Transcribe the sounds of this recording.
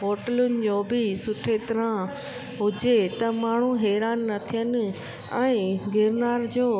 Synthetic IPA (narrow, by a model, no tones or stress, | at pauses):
ɦoːʈəlʊnɪ̆d͡ʑoːbɪsʊʈʰet̪ɐɾã | ɦʊd͡ʑet̪ɐmaːɳ̤uɦɛːɾaːnːɐt̪ʰijənɪ̆ | ɛ̃ːɡeːɾnaːɾd͡ʑoː